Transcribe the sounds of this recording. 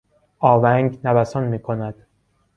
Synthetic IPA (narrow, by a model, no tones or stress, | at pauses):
ɒːvæŋɡnæbæsɒnmiːkʰonæd̪̥